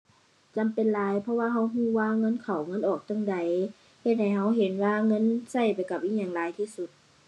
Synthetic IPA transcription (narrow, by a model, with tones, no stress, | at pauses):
t͡ɕa˨mpe˨nlaː˨˦jpʰɔ˧waː˧ɦa˧˥wɦuː˧˥˨waː˧˨ŋɤ˧˥˨nkʰa˨˩wŋɤ˧˥˨nʔɔː˨˩k̚t̪a˧˥˨ŋda˨j | he˧t̪̚ha˨˩jɦa˧˥˩wɦe˨˦nwaː˧ŋɤ˧˥˨nsa˧˩jpa˨jka˧˩p̚ʔiː˧˥˩ɲaː˧˩˨ŋlaː˨˦jt̪ʰiː˧˩su˧˦t̪̚